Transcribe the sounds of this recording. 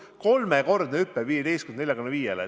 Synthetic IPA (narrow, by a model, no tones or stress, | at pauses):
ko̞lmeko̞rd̪neypːeviːjed̪e̞jst̪kunnelʲjɑkunːɑviːjelḛ